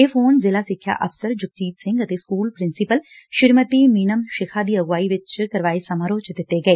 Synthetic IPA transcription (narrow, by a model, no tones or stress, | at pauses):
eːfʰoːnzɪlaːsɪkʰːja̰ːʔəpʰsəɾd͡ʒʊk̚t͡ʃiːt̪sɪ̃ŋɡət̪eːskuːlpɾɪnsɪpəl | ʃɪɾməʈ̪iːmiːnəmʃɪkʰaːd̪iːəɡʋaːiːʋɪt͡ʃkəɾʋaːeːsəmaɾoːt͡ʃd̪ɪt̪ːeːɡəeː